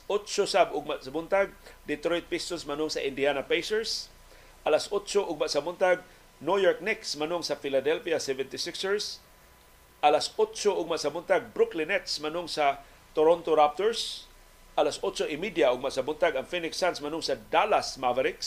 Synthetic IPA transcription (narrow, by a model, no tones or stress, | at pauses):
ʊtt͡ʃosabʊɡ̚maʔsabʊnt̪aɡ̚d̪ɪt̪ɾojt̪̚pɪst̪onsmanʊŋsa̰ʔɪnd̪ianapejsɛɹs | ʔalasʔʊtt͡ʃoʔʊɡ̚maʔsabʊnt̪aɡ̚ | nojoɹk̚nɛksmanʊŋsafilad̪ɛlfiasɛvɛnt̪ɪsɪksɛɹs | ʔalasʊtt͡ʃoʊɡ̚maʔsabʊnt̪aɡ̚bɾʊklɪnɛt̪smanʊŋsa | t̪oɾont̪oɾap̚t̪oɹs | ʔalasʊtt͡ʃoʔɪmid̪jaʊɡ̚maʔsabʊnt̪aɡaŋfinɪksansmanʊŋsad̪alasmavaɾɪks